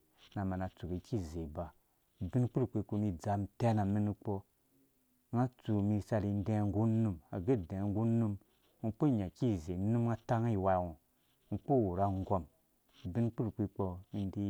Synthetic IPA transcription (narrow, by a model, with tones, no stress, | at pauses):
na˨ma˨na˨t͡su˨ɡi˨ki˦˨ze˨ba˨ | bi˦nk͡pu˦ɾkʷe˧˦ku˧ni˦d͡za˨m˨te˦na˨mi˦ni˧k͡po˧˦ | ŋa˦t͡su˨mi˧sa˧ɾi˧n˦dẽ˦ŋ˦ɡu˦nu˧ma̰˨ɡe˦˨dẽ˨˦ɡu˦nu˦m | u˨˧k͡po˦˨ɲa˨ki˦˨ze˨nu˦m˦ŋa˦ta˦ŋ˦i˨wa˧˨wu˨ | ŋu˨˧k͡po˦˨wu˨ɾa˧ŋ˦ɡo˦m˨ | bi˦nk͡pu˦ɾkʷi˧k͡po˧mi˧n˦di˦